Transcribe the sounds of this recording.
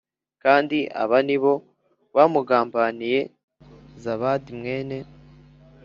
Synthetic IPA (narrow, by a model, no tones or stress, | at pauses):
kaːndiʔa̰βaniβo̞ | βamuɡaːmbanije̞ | zaβaːdimŋe̞ːne̞